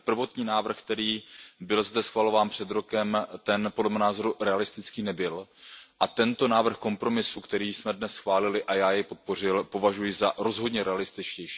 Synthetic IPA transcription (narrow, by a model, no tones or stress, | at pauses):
pr̩vo̞t̪ɲiːnaːvr̩xkt̪ɛɾiːbɪlzd̪ɛsxvalo̞vaːnpr̝̥ɛd̪ɾo̞kɛmt̪ɛnpodlɛmɛnaːzo̞ɾuɾɛalɪst̪ɪt͡skiːnɛbɪlʔat̪ɛnt̪o̞naːvr̩xko̞mpɾo̞mɪsukt̪ɛɾiːsmɛdnɛsxvaːlɪlɪʔajaːjɛjpo̞t̪̚po̞r̝ɪlpo̞vaʒujɪzaɾo̞zɦo̞dɲɛɾʔɛalɪst̪ɪt͡ʃcɛjʃi̥ː